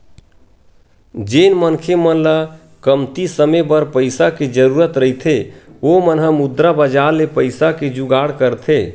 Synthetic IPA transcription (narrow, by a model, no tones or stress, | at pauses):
d͡ʒenmənkʰemənla | kəmt̪isəmebəɾpəɪsaked͡ʒəɾuɾət̪ɾəɦit̪ʰeomənɦəmud̪ɾabəd͡ʒaɾlepəjsaked͡ʒuɡaɽkəɾt̪ʰe